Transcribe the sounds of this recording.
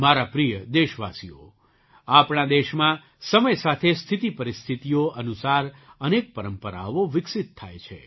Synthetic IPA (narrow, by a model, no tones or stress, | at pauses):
maɾapɾijəd̪eʃʋasijo̰ | apɳãd̪eʃmã | səməjsat̪ʰest̪ʰit̪ipəɾist̪ʰit̪ijoʔənusaɾənek̚pəɾəmpəɾa̰ʋoʋɪksit̪ʰːajt͡ʃʰḛ